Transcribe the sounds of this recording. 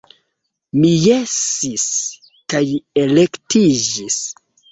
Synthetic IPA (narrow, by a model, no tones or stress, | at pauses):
mijesis | kaje̞le̞ktid͡ʒis